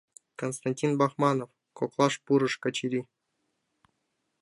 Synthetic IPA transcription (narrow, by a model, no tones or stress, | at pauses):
konst̪anʲtʲinbɑχmɑnof | koklˠɑʂpuɾɤ̆ʂkɑt͡ɕiɾʲi